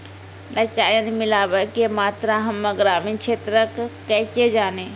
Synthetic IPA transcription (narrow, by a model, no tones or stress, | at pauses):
nət͡ʃaːjənmilaːbəkemaːt̪ɾaɦəmːəɡɾaːminkʃʰeːt̪ɾəkkɛːsed͡ʒaːne